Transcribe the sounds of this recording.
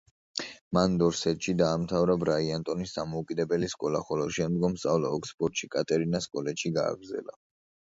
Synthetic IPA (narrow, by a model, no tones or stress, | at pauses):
mand̪ɔɾsɛt̪ʃid̪aːmt̪ʰavɾabɾaiant̪ʼɔnisd̪amɔukʼid̪ɛbɛliskʼɔlaχɔlɔʃɛmd̪ɡɔmst̪ʼavlaɔkʰspʼɔɾt̪ʃikʼat̪ʼɛɾinaskʼɔlɛt̪ʃiɡa̰ːɡɾzɛ̰la̰